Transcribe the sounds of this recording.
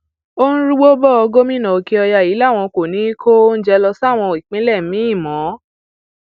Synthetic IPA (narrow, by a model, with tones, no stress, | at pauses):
o˦ñ̩˦ɾu˦ɡ͡bo˦bɔ˦˨ɔ˧ɡo˦mĩ˦nã˨o˨ki˦ɔ˧ja˦˨ji˨˦la˦˨w̃ɔ̃˧ko˨nĩ˨˦i˦kʰo˦n̩˦d͡ʒɛ˧lɔ˧sa˦˨w̃ɔ̃˧˨i˨k͡pĩ˨˦lɛ˦˨m˦mĩ˨˦i˦˨mɔ̃˨˦